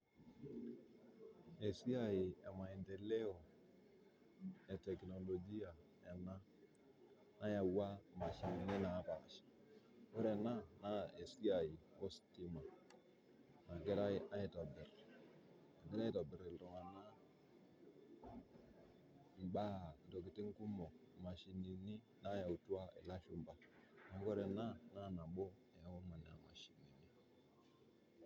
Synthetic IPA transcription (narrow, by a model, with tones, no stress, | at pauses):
e˨si˦a˨ji˨ɛ˨ma˨i˨nte˨le˦o˨ | e˨tɛ˨kno˨lo˨d͡ʒi˦a˨ | ɛ˨na˦ | na˦ja˨wa˦ma˨ʃa˨ŋ˨ne˦na˨˦ba̰˨ʃi̥˨ | o˦ɾɛ˨na˦na˦e˨si˦a˨ji˨o˦sti˦ma˨ | na˨ɡe˦ɾa˦i˦a˦ji˦tɔ˨bɪ˨ɾ | a˨ɡɛ˦ɾa˦i˦tɔ˨bi˨ɾe˨lo˨ŋa˨na˦ | m̩˨ba˦˨n˨do˨ki˨ti˦ŋ̩˦ku˦mɔ˨ma˨ʃi˨ni˨ni˦ | na˦ja˨u˨tu˦a˦ḛ˨la˦ʃu˦m̩˨ba˦na˨˦ɡo˦ɾe˨na˦na˦˨na˨ɓo˦a˨ja˨wo˦ma˨n˨a̰˨ma̰˨ʃi˨ni˨ni˦